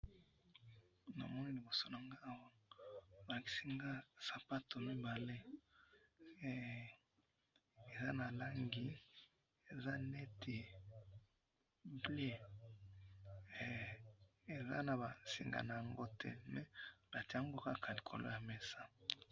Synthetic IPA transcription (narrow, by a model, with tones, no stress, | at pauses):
na̰˨mɔ˦na˦li˨bo˨so˦na˨ŋɡa˦˨wa˦ | ba˨ki̥˨si˦ŋɡa˦sa˨pa˦to˨mi˦ba˨le˦˨ | e˨za˦na˨la˦ŋɡi˦ | e˨za˦nɛ˦tʰe˨ | ble˦˨ | e˨za̰˦na˨ba˨sḭ˨ŋɡa̰˨na˨ja˨ŋɡo˦tɛ̰˦mɛ˦ba˨ti˨˦a˦ŋɡo˦ka˦kʰa˨li˨kʰo̰˨lo̰˦ja˨mɛ˦sa˦